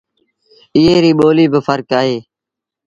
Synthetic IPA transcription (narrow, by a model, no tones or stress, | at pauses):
ɪɦeːɾiːɓoːliːbɪfʰəɾkaːɦeː